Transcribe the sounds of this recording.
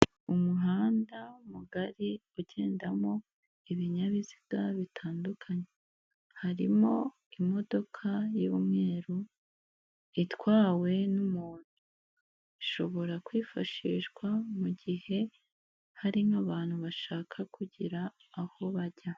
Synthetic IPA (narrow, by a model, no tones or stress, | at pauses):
umuɦaːndaumuɡaɾiuɟe̞ːndamo̞ | iβiɲaβizi̥ɡ̥aβitʰaːndukʰaɲe | haɾimo̞ | imo̞do̞kʰajuβumŋe̞ːɾu | itwaːwe̞numuːn̥hu | iʃo̞βo̞ɾakwiːfaʃiːʃɡwamuɟihe̞ | haɾiŋaβaːn̥huβaʃaːkʰakʰuɟiɾaː | ho̞βaɟa